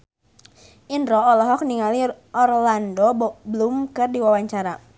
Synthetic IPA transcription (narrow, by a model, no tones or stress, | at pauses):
ʔindɾɔɔlɔɦɔk̚niŋaliʔɔrlandɔblumkɨrdiwawaɲt͡ʃaɾa